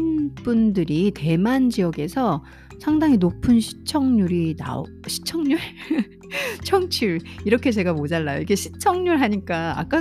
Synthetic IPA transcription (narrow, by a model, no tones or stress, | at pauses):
np͈undɯɾite̞mand͡ʑiʌɡe̞sʰʌ | sʰaŋdaŋinopʰɯnɕʰi̥t͡ɕʰʌŋɲuɾina̰o̰ | ɕʰi̥t͡ɕʰʌŋɲuɾ | t͡ɕʰʌŋt͡ɕʰiɭiɾʌkʰe̞t͡ɕe̞ɡamod͡ʑaɭːajoikʰeɕʰi̥t͡ɕʰʌŋɲuɭɦaɲik͈a̰ːk͈a